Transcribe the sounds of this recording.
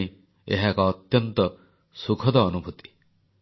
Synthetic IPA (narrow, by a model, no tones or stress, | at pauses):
i | ḛɦakɔːt̪jɔnt̪ɔ | sukʰɔd̪ɔːnubʱut̪i̥